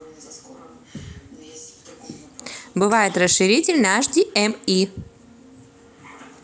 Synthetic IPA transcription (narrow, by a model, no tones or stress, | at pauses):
bɨvajɪt̪rəsʂɨɾʲitʲɪlʲnaʐdʲiʔɛmi